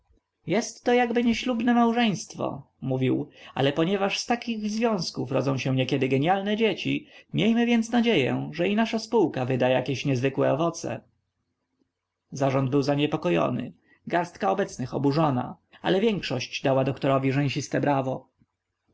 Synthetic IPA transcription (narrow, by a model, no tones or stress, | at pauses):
jɛst̪ːɔjaɡbɘɲɛɕlubnɛmawʐɛj̃st̪fɔ̰ | muvʲiwa̰lɛpɔɲɛvaʂst̪akʲiɣzvʲjɔ̃w̃skufɾɔ̰d̪zɔ̃w̃ɕɛ̃ɲɛkʲɛd̪ɘɡɛɲjalnɛd͡ʑet͡ɕḭmʲjejmɘvʲjɛnt̪snad͡ʑejɛ̰ʐɛinaʂaspuwkavɘd̪ajakʲeɕɲɛzvɘkwɛ̰ɔvɔt̪sɛ̰ | zaʐɔnd̪̚bɘwzaɲɛpɔkɔjɔ̰nɘ̰ | ɡaɾst̪kaɔbɛt̪snɘxɔ̰buʐɔna̰ | a̰lɛvʲjɛŋkʂɔɕt͡ɕd̪awad̪ɔkt̪ɔɾɔvʲiʐɛ̃w̃ɕist̪ɛbɾavɔ